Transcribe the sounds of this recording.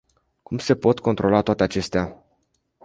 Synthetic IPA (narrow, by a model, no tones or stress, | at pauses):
kumse̞po̞t̪ko̞nt̪ɾʔo̞lat̪oat̪eat͡ʃe̞st̪ea